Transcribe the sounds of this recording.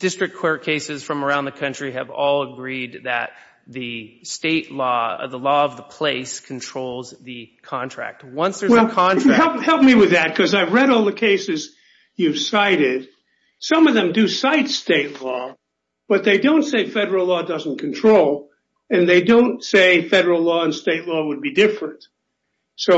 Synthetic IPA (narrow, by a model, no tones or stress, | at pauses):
d̥ɪstɹ̥ɨk̚kʰw̥ɛɹkʰeɪsɨz̥fɹʌ̃mə˞ãʊ̃nðɨkʰʌ̃nt͡ʃɹ̥iɨvɔlˠəɡɹid̪̚ðɨ̰t̪̚ | ðɨsteɪʔlɔðəlɔʌvðəpʰl̥eɪskʰn̩tʰɹ̥oʊlˠzðɨkʰɑ̃ntʰɹ̥æ̰k̚t̚wʌ̃nsðə˞wɛlˠkʰɑ̃nhɛlˠphɛlˠp̚miwɨðɨt̚kʰʌzaɪvɹɛɾɔlˠðɨkʰeɪsɨz | jɨv̥saɪɾɪd̥̚ | sʌ̃mʌvðɨ̃mdɨsaɪtsteɪtˡlɔ | b̥ʌt̪̚ðeɪdõʊ̃ntseɪfɛɾə˞l̩ˠlɔdʌzn̩kʰn̩tʰɹ̥oʊlˠ | ɨ̃nðeɪdõʊ̃ntseɪfɛɾə˞l̩ˠlɔə̃nsteɪtˡlɔwəd̚bidɪfɹɨ̃nt̚ | soʊ